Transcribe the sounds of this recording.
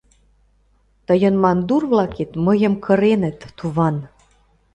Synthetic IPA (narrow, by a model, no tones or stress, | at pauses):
t̪ə̆jə̆nmɑnd̪urβlɑket̪mə̆jə̆mkʰə̆ɾenə̆t̪ːuβɑn